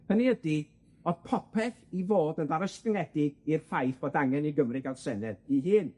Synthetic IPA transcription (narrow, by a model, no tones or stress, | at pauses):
həniədi | ɔðpʰɔpʰɛθivoːdəndaɾɔskəŋɛdɪɡ̥irfajθb̥oːdaŋɛniɡəmrɨɡadsɛnɛdiɦɨːn